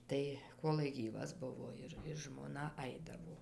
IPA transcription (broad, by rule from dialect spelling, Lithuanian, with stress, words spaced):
ˈtɐɪ ˈkoːlˠɐɪ ˈɡʲiːʋɐs ˈbʊʋoː ˈɪr ɪr ʒmoːˈnɐ ˈɐɪdɐʋoː